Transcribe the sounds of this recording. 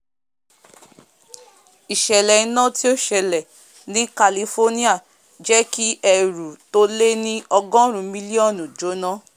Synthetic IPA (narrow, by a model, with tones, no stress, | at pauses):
i˨ʃɛ˨lɛ˨ĩ˧˦nã˦ti˦o˦ʃɛ˧lɛ˨ | nĩ˦ka˧li˧fo˦nĩ˦a˦˨ | d͡ʒɛ˦ki˦ɛ˧ɾu˨to˦le˦nĩ˦ɔ˧ɡɔ̃˦ɾ̃ũ˨˧mĩ˦li˦ɔ˦˨nũ˨d͡ʒo˨˦nã˦